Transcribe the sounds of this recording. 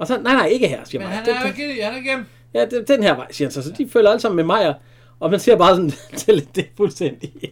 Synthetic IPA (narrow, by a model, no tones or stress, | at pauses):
ɒ̽sɒ̽nɑ̈ɪnɑ̈ɪe̝ɡ̥əɦæɐ̰sḭːɐmɑ̈ɪd̥eɡe | jæd̥ed̥enhæɐ̰ʋɑ̈ɪ̰siɐhænsɒ̽sɒ̽d̥ifø̰ːlɐæləsɑ̈m̰n̩memɑ̈ɪ̰ɐ | ɒ̽mænse̝ɐ̰b̥ɑ̈ːsɒ̽n̩t͡sʰe̝ld̥e̝fulsd̥en̰d̥i